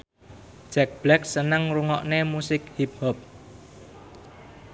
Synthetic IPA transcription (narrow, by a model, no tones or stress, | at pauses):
d̥ʒ̥ɛk̚b̥lɛk̚sənəŋruŋɔʔnemusɪkhip̚hɔp̚